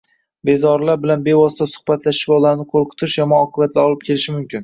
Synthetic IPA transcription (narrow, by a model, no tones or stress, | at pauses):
be̞zɒɾlaɾbɪlanbe̞vɒsɪ̥t̪ʰasʊ̥χbat̪laʃɪ̥ʃbɒlanɪqʰolˠqʰʊ̥t̪ʰɪʃjɒmɒɒqʰɨbat̪ʰlɪɒlˠɪp̚kʲʰe̞lɪʃɪmʊmkʲɪn